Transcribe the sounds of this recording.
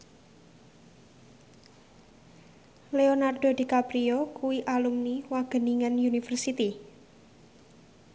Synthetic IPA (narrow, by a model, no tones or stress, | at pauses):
leonard̥o̤d̪̥i̤kapɾiokuwiʔalumniwaɡ̥ə̤niŋanjunifərsit̪i